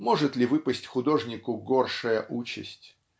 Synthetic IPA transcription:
moʐɨt̪lʲɪvɨpəsʲtʲxʊd̪o̞ʐnʲɪkʊɡorʂəjəʔut͡ɕɪ̰sʲtʲ

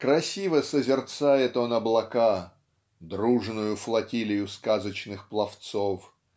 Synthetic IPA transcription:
kɾɐsʲivəsəzʲɪrt̪sajɪt̪o̞nɐblˠɐka | d̪ɾuʐnʊjʊflˠɐtʲilʲɪjʊskazət͡ɕnɨxplˠɐft̪sof

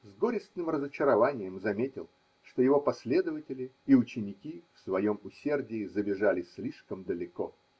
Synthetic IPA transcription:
zɡoɾʲɪst̪nɨmrəzət͡ɕɪɾɐvanʲɪjəmzɐmʲetʲɪ̰lˠ | ʂt̪o̞jɪvo̞pɐsʲlʲe̞d̪əvətʲɪlʲɪːʊt͡ɕɪnʲɪkʲifsvɐjo̞mʊsʲe̞rdʲɪːzəbʲɪʐalʲɪsʲlʲiʂkəmd̪əlʲɪko̞

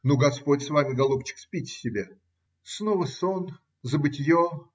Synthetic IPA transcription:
nuɡɐspotʲsvamʲɪɡɐlˠupt͡ɕːɪ̥kspʲitʲɪ̥sʲɪbʲe | snovəson | zəbɨtʲɪjo

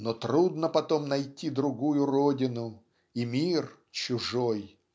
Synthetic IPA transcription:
not̪ɾud̪nəpɐt̪omnɐjtʲid̪ɾʊɡujʊrodʲɪnʊ | imʲir | t͡ɕʊʐoj

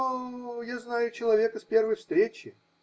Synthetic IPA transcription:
jaznajʊt͡ɕɪlˠɐvʲe̞kəspʲe̞rvəjfst̪ɾʲet͡ɕɪ

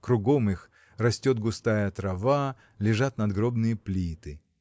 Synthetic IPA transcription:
kɾʊɡo̞mɨx | rɐsʲtʲot̪̚ɡʊst̪ajət̪ɾɐva | lʲɪʐat̪nɐd̪ɡɾo̞bnɨjəplʲit̪ɨ

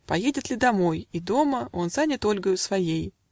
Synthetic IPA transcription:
pɐjedʲɪt̪lʲɪd̪ɐmo̞jid̪o̞məo̞nzanʲɪt̪o̞lʲɡəjʊsvɐjej

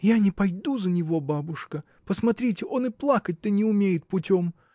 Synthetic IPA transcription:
janʲɪpɐjd̪uzənʲɪvo̞babʊʂkə | pəsmɐt̪ɾʲitʲɪʔo̞nɨplˠakət̚ʲt̪ənʲɪʊmʲejɪt̪̚pʊtʲo̞m

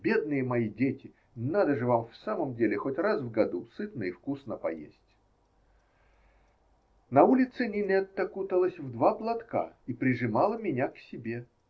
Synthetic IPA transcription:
bʲe̞d̪̚nɨjəmɐidʲetʲɪ | nad̪əʐɨvamfsaməmdʲelʲɪxotʲrasvɡɐd̪usɨt̪nəifkusnəpɐjḛsʲtʲ | nɐulʲɪt̪sɨnʲɪnʲɛt̪ːəkut̪əlˠəsʲvd̪vaplˠɐt̪ka̰ipɾʲɪʐɨmalˠəmʲɪnʲaksʲɪbʲe

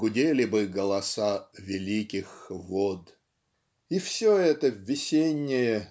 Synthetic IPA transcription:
ɡʊdʲelʲɪbɨɡəlˠɐsavʲɪlʲikʲɪxvod̪ | ifsʲoɛt̪əvʲːɪsʲenʲːɪjə

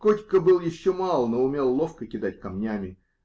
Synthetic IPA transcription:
kotʲkəbɨlˠjɪɕːomalˠnoʊmʲe̞lˠːo̞fkəkʲɪd̪atʲkɐmnʲæmʲɪ

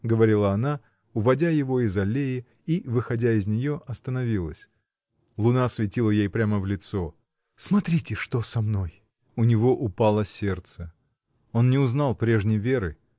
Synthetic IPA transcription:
ɡəvɐɾʲilˠəɐna | ʊvɐdʲajɪvo̞ɪzɐlʲejɪ | ivɨxɐdʲaɪzʲnʲɪjo̞ʔɐst̪ənɐvʲilˠə̰sʲ | lˠʊnasvʲɪtʲilˠəjejpɾʲaməvlʲɪt̪so̞ | smɐt̪ɾʲitʲɪʂt̪o̞sɐmno̞j | ʊnʲɪvo̞ʔʊpalˠəsʲe̞rt̪sə | o̞nnʲɪʊznalˠpɾʲe̞ʐnʲɪjvʲe̞ɾɨ

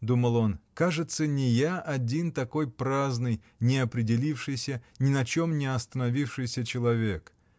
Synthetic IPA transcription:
d̪uməlˠo̞nkaʐɨt̪sənʲɪjaʔɐdʲint̪ɐko̞jpɾaznɨj | nʲɪɐpɾʲɪdʲɪlʲifʂɨjsʲənʲɪnɐt͡ɕomnʲɪɐst̪ənɐvʲifʂɨjsʲət͡ɕɪlˠɐvʲe̞k

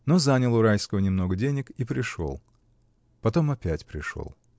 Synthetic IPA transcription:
no̞zanʲəlˠʊɾajskəvənʲɪmno̞ɡədʲenʲɪkipɾʲɪʂo̰lˠ | pɐt̪o̞mɐpʲætʲpɾʲɪʂo̰lˠ

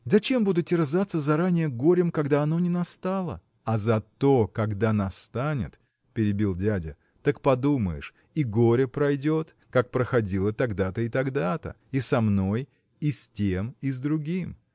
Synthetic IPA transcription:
zɐt͡ɕe̞mbud̪ʊt̪ʲɪrzat̪sːəzɐɾanʲɪjəɡo̞ɾʲɪmkɐɡd̪aɐno̞nʲɪnɐst̪alˠə̰ | ɐzɐt̪o̞kɐɡd̪anɐst̪anʲɪ̰t̪ | pʲɪɾʲɪbʲilˠdʲædʲɪ | t̪ɐkpɐd̪uməjɪ̰ʂ | iɡo̞ɾʲəpɾɐjdʲo̞t̪ | kak̚pɾəxɐdʲilˠət̪ɐɡd̪at̪əɪt̪ɐɡd̪at̪ə̰ | isɐmno̞j | isʲtʲemizd̪ɾʊɡʲim

